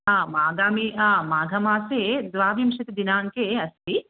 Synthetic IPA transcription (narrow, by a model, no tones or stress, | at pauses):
ɦãːmaːɡaːmiaːmaːɡʱɐmaːseːd̪ʋaːʋimʃɐt̪id̪inaːŋkeːɐst̪i